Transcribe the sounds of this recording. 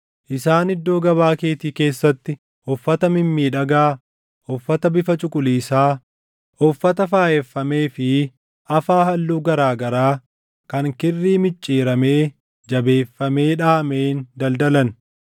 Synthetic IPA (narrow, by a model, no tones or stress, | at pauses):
ʔɪsaːnɪd̪ːo̞ːɡɐβaːkeːt̪iːke̞ːsːɐt̪ːɪ | ɔfːɐt̪ɐmɪmːiːᶑɐɡaː | ɔfːɐt̪ɐbɪfɐt͡ʃʼʊkʼʊliːsaː | ɔfːɐt̪ɐfaːjɛfːɐme̞ːfɪ | ʔɐfaːhɐlːuːɡɐɾaːɡɐɾaː | kɐŋkɪrːiːmɪt͡ʃʼːeːɾɐmeː | d͡ʒɐbe̞ːfːɐme̞ːᶑaːmeːnd̪ɐld̪ɐlɐn